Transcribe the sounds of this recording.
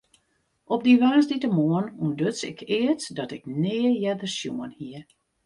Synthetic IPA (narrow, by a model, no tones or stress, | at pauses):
ɔp̚diʋaːsditəmoənundøt͡sɪ̰kʰɪətdɔtɪknɪːəjɛdərsjṵənhiər